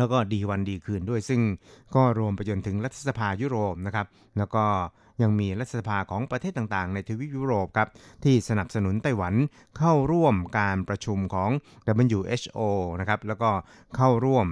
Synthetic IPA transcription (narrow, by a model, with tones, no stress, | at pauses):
lɛː˦˥wkɔː˥˩diː˧wa˧ndiː˧kʰɯː˨˩ndu˥˩əjsɯ˥˩ŋkɔː˥˩ɾu˧əmpa˧jt͡ɕo˧nt̪ʰɯ˩˦ŋɾa˦˥t̪ʰːa˧˩sa˧pʰaː˧juː˦˥˩ɾoː˨˩p̚na˦˥kʰa˦˥p̚ | lɛː˦˥wkɔː˥˩ | ja˧ŋmiː˧ɾa˦t̪ʰːa˧˩sa˧pʰaː˧kʰɔː˩˦ŋpɾa˧eː˥˩t̪ːa˨˩ŋt̪aː˨˩ŋna˧jt̪ʰiː˧wi˦˥juː˦˥ɾoː˨˩p̚kʰa˦˥p̚t̪ʰiː˥˩sa˧na˨˩p̚sa˧nu˩˦nt̪a˥˩jwa˩˦n | kʰa˥˩wɾu˥˩əmkaː˧npɾa˧t͡ɕʰu˧mkʰɔː˩˦ŋda˨˩ba˧njuː˧˩ʔe˦˥sʔoː˧na˦˥kʰa˦˥p̚lɛː˦˥wkɔː˥˩ | kʰa˥˩wɾu˥˩əm